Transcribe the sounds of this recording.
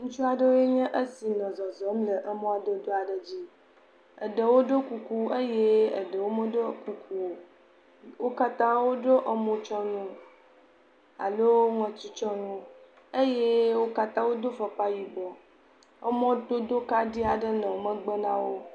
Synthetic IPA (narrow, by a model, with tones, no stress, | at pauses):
ŋũ˦t͡ʃu˦a˨ɖə˦wo˦jɛ˦ɲɛ̃˦ʔə˦si˨nɔ̃˨zɔ˨zɔ˨˦mlə˨ʔə˦mɔ̃˦a˨də˦d̪o˦a˨ɖə˨d͡ʑi˦ | ə̰˨ɖə˨wo˦ɖo˦ku˨ku˦ə˦je˦ə˨ɖə˨wo˦mə˦ɖo˦ku˨kʰu˦o˨ | wo˦ka˦t̪ã˦wo˦ɖo˦ʔə˦mɔ̃˦t͡ʃɔ˦nũ˦ | a̰˨lo˦ŋɛ̃˨t̪u˦t͡ʃɔ˦nũ˦ | ə˦je˦wo˦ka˦t̪ã˦wo˦d̪o˦fɔ˨k͡pa˦ji˨bɔ˨ | ə˦mɔ̃˦d̪o˦d̪o˦ka˦ɖi˦a˨ɖə˦nɛ̃˨wmə̃˦ɡ͡bə˦nã˦wo˦